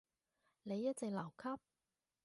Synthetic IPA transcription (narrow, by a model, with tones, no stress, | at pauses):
ne˨˧jːɐ˥t̚t͡sɪ˨k̚lɐ˨˩wkʰɐ˥p̚